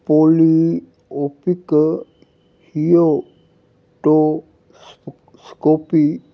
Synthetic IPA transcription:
poli | opik | hijo | ʈo | s | skopi

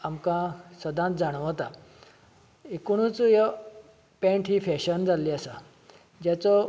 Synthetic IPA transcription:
amkãsəd̪ʱãt̪d͡zaɽ̃əʋət̪a | ekuɽ̃ũt͡sjə | pẽɳʈɦiːfɛɕənd͡zʱaliasa | d͡ʑjat͡sɔ

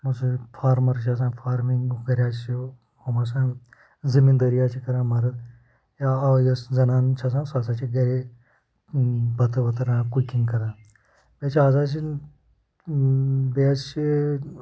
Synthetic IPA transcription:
mɐsufʰaːɾmɐɾt͡ʃʰas̬ãːfʰaːɾmiŋɡɡɐɾʲjaːt͡ʃt͡ʃʰi | omɐs̬ãː | zimind̪əɾijaːt͡ʃʰikɐɾãːmɐɾ | jaajɐszɐnaːnt͡ʃʰas̬ãːsaːs̬aːt͡ʃʰiɡɐɾe | bɐt̪ɨʋɐt̪ɾãːkukiŋɡkɐɾãː | bʲet͡ʃʰaːz̬aːt͡ʃi | beast͡ʃʰi

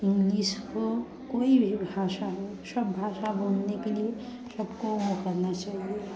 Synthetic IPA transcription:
ŋlisɦo | koibʱibʱaʃaɦo | səbːʱaʃabənnekelie | səbkomokəɾnat͡ʃaɦie

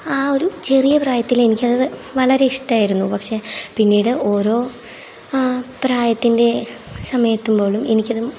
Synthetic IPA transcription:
aːo̞ɾut͡ɕe̞rijɐpraːjɐt̪ːile̞nikʲːɐðɨʋɐɭɐɾe̞iʂʈɐaːjiɾunːupɐkʂe̞pinːiːɽɨʔo̞ːɾo̞ː | praːjɐt̪ːinde̞ | sɐmɐjɐt̪ːumbo̞ːɭume̞nikʲːɐðum

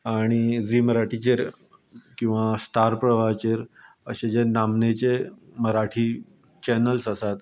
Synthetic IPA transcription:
aɽ̃id͡ziːməɾaʈʰit͡ɕeɾ | kĩw̃ʋasʈ̪aɾpɾəʋat͡ɕeɾ | əɕed͡ʑenamnet͡ɕeməɾaʈʰiː | t͡ɕɛnəlsəsat̪

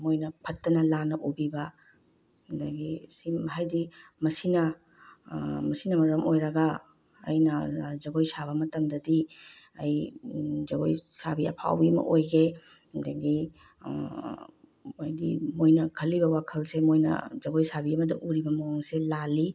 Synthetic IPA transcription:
mojnɐpʰɐtːɐnɐlanɐʔubibɐ | dɐɡisiɦajdimɐsinɐ | mɐsinɐmɐɾɐmojɾɐɡɐ̰ː | jnɐzɐɡojsaβɐmɐtɐmdɐdi | ɐjzɐɡojsabiɐ̰pʰa̰wbiɐmɐ̰ʔojɡe | dɐɡi | ajdḭmojnɐkʰɐlːibɐwakʰɐlsemojnɐ̰zɐɡojsabiɐmɐdɐʔuɾibɐmɐwoŋselalːi

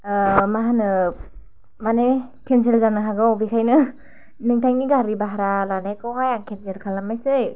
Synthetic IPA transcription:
maɦanɯ | mane | kʰenzelzanɯɦaɡɯwbikʰajnɯ | nɯŋtʰajŋniɡaɾibaɦaɾalanajkʰawhajaŋkʰenzelkʰalamajsɯj

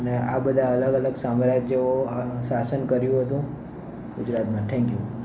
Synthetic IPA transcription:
ənea̰bəd̪ʱaələɡələɡsamɾad͡ʒjəosasənkəɾjũɦət̪ũ | ɡʊd͡ʒɾat̪mãʈʰɛ̃ŋkju

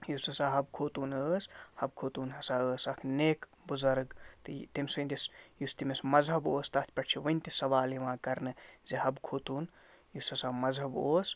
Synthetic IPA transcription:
jusɐsaːɦɐb̚kʰoːt̪uːnəːshɐbkʰoːt̪uːnɦɐsaːəːsɐkʰneːk | buzɐɾɡt̪ɨt̪imsɨnʲd̪ʲisjust̪imesmɐzɦɐboːst̪ɐt̪ʰʲpʲɐʈt͡ʃʰiʋɐnʲt̪isɐʋaːliʋãːkɐɾnɨzihɐbkʰoːt̪uːn | jusɐsaːmɐzɦɐboːs

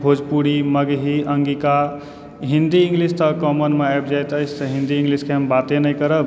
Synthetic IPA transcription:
bʱod͡ʒpuɽiməɡɦiʔəŋɡika | ɦind̪iĩŋɡlist̪əkɔmənmeajbd͡ʒajt̪əɪsʰt̪əɦĩnd̪iĩŋɡliskeɦəmbat̪enəjkəɾəb

